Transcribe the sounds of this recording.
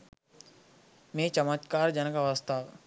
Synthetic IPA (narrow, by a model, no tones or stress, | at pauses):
mẽːt͡ʃɐmət̪kaːɾd͡ʒɐnəkaʋəst̪ʰaʋ